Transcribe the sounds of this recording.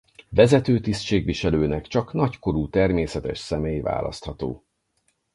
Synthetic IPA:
vɛzɛt̪øːt̪ist̪t͡ʃeːɡʋiʃɛløːnɛkt͡ʃɒknɒcko̞ɾuːt̪ɛrmeːsɛt̪ɛʃsɛmeːjva̰ːlɒ̰st̪hɒt̪o̰ː

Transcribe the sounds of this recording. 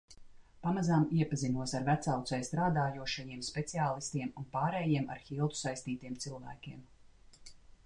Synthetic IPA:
pamazaːmiɛpazinuɔsaɾvæt̪sawt̪sajst̪ɾaːd̪aːjuɔʃajiɛmspet̪siaːlˠist̪iɛmunpaːɾɛːjiɛmʔa̰ɾxilˠt̪u̥sajst̪iːt̪iɛmt̪silˠvæ̰ːkʲiɛm

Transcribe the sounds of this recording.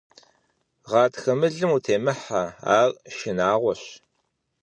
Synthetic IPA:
ʁɑːtxɐmɨɮɨmuːtʰeːmɨħaa̰ːrʃɪnaːʁʷɔɕ

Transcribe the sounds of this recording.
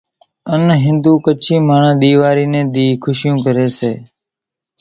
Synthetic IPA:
ənɦɪ̃nd̪uːkət͡ʃʰĩːmaːɳãːɗ̪iːʋaːɾiːnẽːɗ̪iːkʰʊʃjũːkəɾeːseː

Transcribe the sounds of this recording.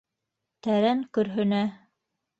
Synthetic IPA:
t̪æɾæŋkɵ̆ɾɦɵ̆næ

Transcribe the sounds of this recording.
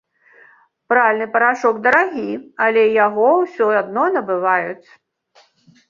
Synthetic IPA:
pɾalʲnɨpɐɾaʂɔɡd̪ɐɾaɣʲiɐlʲɛjaɣɔwsʲɔad̪̚nɔnɐbɨvajut͡sʲ

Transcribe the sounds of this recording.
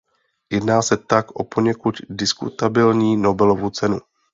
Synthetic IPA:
jɛdnaːsɛt̪akʔo̞po̞ɲɛkut̪dɪskṵt̪abɪlɲiːno̞bɛlovut͡sɛnu

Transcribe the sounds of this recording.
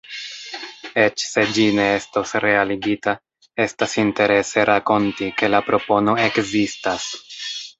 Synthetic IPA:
e̞t͡ʃse̞d͡ʒine̞estosɾealiɡita | e̞stasinte̞ɾe̞se̞ɾʔako̞ntike̞lapɾo̞po̞no̞e̞kzistas

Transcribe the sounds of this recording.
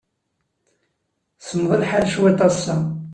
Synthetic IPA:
səmːðˤəlħalʃwæt̪ˤɑsːa

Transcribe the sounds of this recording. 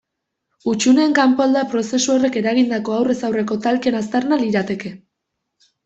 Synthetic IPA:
ut͡ʃune̞ːŋkampoald̪apɾo̞se̞suo̞re̞ke̞ɾaɣind̪ako̞awre̞sawre̞ko̞t̪alke̞nast̪aɾnaliɾat̪e̞ke̞

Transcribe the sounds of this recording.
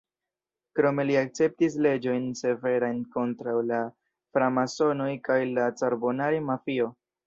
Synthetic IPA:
kɾo̞me̞liak̚t͡se̞p̚tis̬le̞d͡ʒo̞jnse̞ve̞ɾajnko̞ntɾawla | fɾamaso̞no̞jkajlat͡saɾbo̞naɾimafio̞

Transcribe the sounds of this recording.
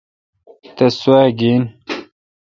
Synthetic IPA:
t̪ɐswaːɡin

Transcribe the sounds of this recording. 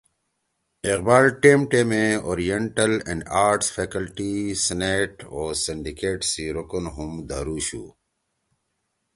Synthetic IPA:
ɪqbaːlʈeːmʈemẽoːɾijeɳʈəlḛ̃ɳɖaːɾʈsfeːkəlʈisneːʈoːsiɳɖikeːʈsiɾukunɦumd̪aːɾuːɕṵː

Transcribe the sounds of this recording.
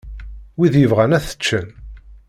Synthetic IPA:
wiðjəvʁænæθə̥t͡ʃːən

